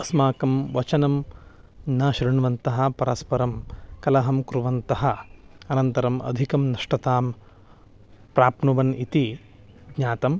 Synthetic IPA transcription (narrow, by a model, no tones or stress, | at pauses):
ɐsmaːkɐmʋɐt͡ʃɐnɐm | nɐːʃɾiɳʋɐnt̪ɐɦɐ̆pɐɾɐspɐɾɐmkɐlɐɦɐmkɾuʋɐnt̪ɐɦɐ̆ɐnɐnt̪ɐɾɐmɐ̰d̪ʱikɐmnɐʂʈɐt̪aːm | pɾaːpnuʋɐnit̪i | ɡɲaːt̪ɐm